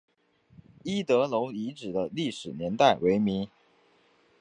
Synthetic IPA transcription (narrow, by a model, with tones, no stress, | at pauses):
i˥t̪ɤ˧˥lo˧˥ʊi˧˥ʈ͡ʂɻ̩˨˩d̪ə˦li˥˩ʂɻ̩˨˩njɛ˧˥nt̪a˥˩ɪwe˧˥ɪmi˧˥ŋ